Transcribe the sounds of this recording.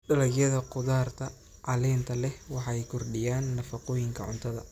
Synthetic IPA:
ɖɐlɐɡjɐðɐqʊðaːrt̪ʰɐ | ʕɑlɛːnt̪ʰɐlɛhwɑħɑjkʰʊrɖɪjaːnːɐfɐqɔːjɪŋkʰɐʕʊ̰nt̪ʰɐðɐ̰

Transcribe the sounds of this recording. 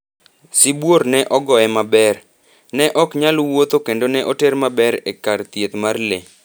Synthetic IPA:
sɪbwoɾnɛʔɔɡɔɛmabɛr | nɛʔɔkɲalwot̪okendonɛʔoteɾmabɛɾekart̪jet̪marle

